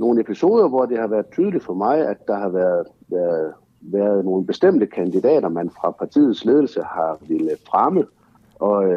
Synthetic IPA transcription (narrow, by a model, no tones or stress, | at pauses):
no̝ːn̩e̝pʰiso̝ːð̞ˠɐʋɒd̥ehɑ̈ʋæːɐðˠt͡sʰyːðˠəli̥fɒ̽mɑ̈ɪæd̥ːɑ̈hɑ̈ʋæɐðˠ | ʋæɐð | ʋæːɐð̞ˠno̝ːn̩b̥e̝sd̥em̰d̥əkʰænd̥id̥ɛ̰ːɾ̥ɐmænfʁɑ̈pʰɑ̈t͡sʰḭːð̩ˠsle̝ːð̞ˠl̩səhɑ̈ʋe̝ləfʁamə | ʔɒ̽